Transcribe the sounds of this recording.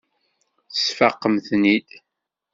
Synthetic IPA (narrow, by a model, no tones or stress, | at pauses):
θsfɑqːəmθnid̪